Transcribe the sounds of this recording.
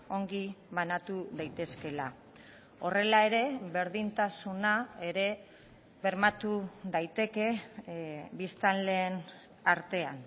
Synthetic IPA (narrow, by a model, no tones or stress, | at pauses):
o̞ŋɡiβanat̪uðajt̪e̞ske̞la | o̞re̞lae̞ɾe̞βe̞ɾðint̪asunae̞ɾe̞ | βe̞ɾmat̪uðajt̪e̞ke̞ | βist̪anle̞ːn | aɾt̪e̞an